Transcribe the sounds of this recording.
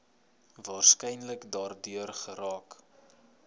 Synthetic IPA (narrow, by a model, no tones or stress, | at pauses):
vɑːrskɛjnləkdɑːrdyərχəɾɑːk